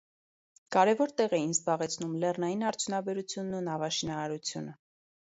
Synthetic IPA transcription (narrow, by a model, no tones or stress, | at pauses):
kɑɾɛvɔɾt̪ɛʁɛjinzbɑʁɛt͡sʰnumlɛrnɑjinɑɾt͡sʰjunɑbɛɾut͡sʰjunːunɑvɑʃinɑɾɑɾut͡sʰjunə